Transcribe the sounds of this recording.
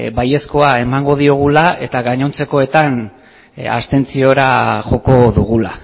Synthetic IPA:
baje̞sko̞ae̞maŋɡo̞ð̞io̞ɣ̞ulae̞t̪aɣaɲo̞nt͡se̞ko̞e̞t̪an | a̰st̪e̞nt͡sio̞ɾaʝo̞ko̞ðuɣ̞ula̰

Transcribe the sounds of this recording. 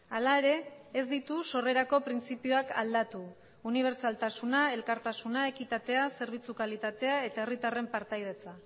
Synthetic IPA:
alae̞ɾe̞ːzd̪it̪uso̞re̞ɾako̞pɾint͡sipioaka̰ld̪at̪uː | niβ̞e̞ɾt͡ʃalt̪asunae̞lkaɾt̪asunae̞kit̪at̪e̞ase̞ɾβ̞it͡sukalit̪at̪e̞ae̞t̪aerit̪are̞mpaɾt̪ajð̞e̞t͡sa

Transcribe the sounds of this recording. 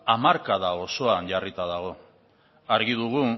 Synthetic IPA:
amaɾkaðao̞so̞anɟarit̪aðaɣ̞o̞ | aɾɣiðuɣ̞u

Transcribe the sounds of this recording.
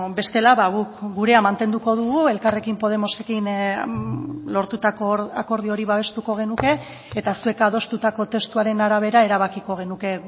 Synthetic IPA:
be̞st̪e̞laβaɣukɡuɾe̞amant̪e̞nd̪uko̞ðuɣ̞ue̞lkare̞kimpo̞ð̞e̞mo̞se̞kin | lo̞ɾt̪ut̪akoɾako̞ɾð̞io̞ɾiβaβ̞e̞st̪uko̞ɣ̞e̞nuke̞ː | t̪asue̞kað̞o̞st̪ut̪ako̞t̪e̞st̪uaɾe̞naɾaβ̞e̞ɾae̞ɾaβ̞akiko̞ɣ̞e̞nuke̞

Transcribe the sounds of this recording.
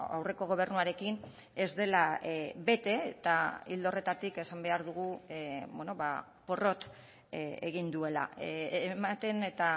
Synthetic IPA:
a̰wre̞ko̞ɣ̞o̞β̞e̞rnuaɾe̞kin | e̞zd̪e̞labe̞t̪e̞t̪aild̪o̞re̞t̪at̪ike̞sambe̞aɾðuɣ̞ubeno̞βa | po̞ro̞t̪ | ḛɣind̪ue̞la̰ | mat̪e̞ne̞t̪a

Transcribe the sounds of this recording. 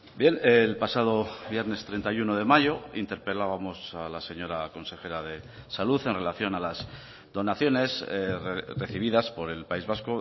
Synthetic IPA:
bje̞nelpasað̞o̞βje̞ɾne̞st̪ɾe̞nt̪ajuno̞ð̞e̞maʝo̞ḭnt̪e̞ɾpe̞laβamo̞salase̞ɲoɾako̞nse̞xe̞ɾaðe̞ | saluθe̞nre̞laθjo̞nalaz | ðo̞naθjo̞ne̞s | reθiβ̞iðaspo̞ɾe̞lpaizβasko

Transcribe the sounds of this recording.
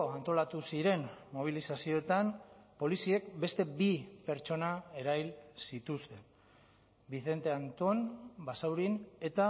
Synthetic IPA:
oant̪o̞lat̪usiɾe̞nmo̞β̞ilisasio̞et̪anpo̞lisie̞kbe̞st̪e̞bipe̞ɾt͡ʃo̞nae̞ɾajlsit̪ust̪e̞n | biθe̞nt̪e̞ant̪o̞nbasawɾine̞t̪a

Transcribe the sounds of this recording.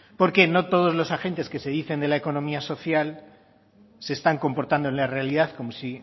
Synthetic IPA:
po̞ɾke̞no̞t̪o̞ð̞o̞zlo̞saxe̞nt̪e̞ske̞se̞ðiθe̞nd̪e̞lae̞ko̞nõ̞miaso̞θjal | se̞ːst̪aŋko̞mpo̞ɾt̪and̪oe̞nlare̞alið̞aθko̞mo̞si

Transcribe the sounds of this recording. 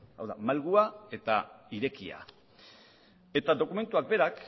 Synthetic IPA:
a̰wða̰malɣuae̞t̪aiɾe̞kia̰ | e̞t̪aðo̞kume̞nt̪uak̚be̞ɾak

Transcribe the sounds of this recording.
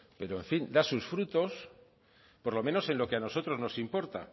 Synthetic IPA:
pe̞ɾoeɱfind̪asusfɾut̪o̞s | po̞ɾlo̞mẽ̞no̞se̞nlo̞ke̞ano̞so̞t̪ɾo̞znosimpo̞ɾt̪a̰

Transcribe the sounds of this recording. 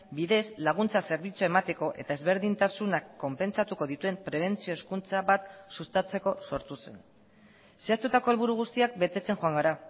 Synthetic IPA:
biðe̞zlaɣ̞unt͡sase̞ɾβ̞it͡suae̞mat̪e̞ko̞ʔe̞̰t̪ae̞zβe̞ɾðint̪asunakːo̞mpe̞nt͡sat̪uko̞ðit̪ue̞mpɾe̞β̞e̞nt͡sio̞eskunt͡saβat̪sust̪at͡se̞ko̞so̞ɾt̪use̞n | se̞ast̪ut̪ako̞e̞lβuɾuɣ̞ust̪iak̚be̞t̪e̞t͡se̞ŋxoaŋɡaɾa

